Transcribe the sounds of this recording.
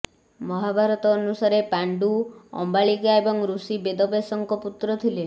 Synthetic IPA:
mɔɦabʱaɾɔt̪ɔːnusaɾepaɳɖuɔ̰mbaɭikaebɔŋɾusibed̪ɔbesɔŋkɔput̪ɾɔt̪ʰile

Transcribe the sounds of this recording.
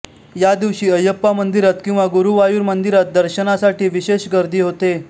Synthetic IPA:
jad̪iʋɕiːəjəpːamənd̪iɾat̪kĩw̃ʋaɡuɾuʋajuːɾmənd̪iɾat̪̚d̪əɾɕənasaʈʰiːʋiɕeɕɡəɾd̪iːɦot̪e

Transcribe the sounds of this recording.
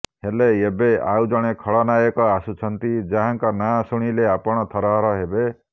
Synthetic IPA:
heleebea̰wd͡ʒɔɽ̃ekʰɔɭɔnajɔkɔasut͡ʃʰɔnt̪id͡ʒaɦaŋkɔnasuɽ̃ileapɔɽ̃ɔt̪ʰɔɾɔɦɔɾɔɦebe

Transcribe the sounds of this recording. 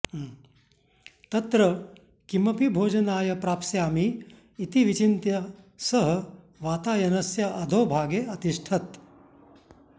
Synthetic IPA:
t̪ɐt̪ɾɐ | kimɐpibʱoːd͡ʒɐnaːjɐpɾaːpsjaːmiː | t̪iʋit͡ʃint̪jɐsɐɦɐ̆ | ʋaːt̪aːjɐnɐsjɐʔɐd̪ʱoːbʱaːɡeːɐt̪iʂʈʰɐt̪

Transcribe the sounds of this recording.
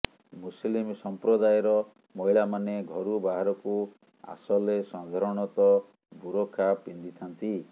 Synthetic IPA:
muslimsɔmpɾɔd̪ajɔɾɔ | mɔɦiɭamaneɡʱɔɾubaɦaɾɔku | a̰sɔlesãd̪ʱaɾɔɽ̃ɔt̪ɔ | buɾɔkʰːapind̪it̪ʰant̪i

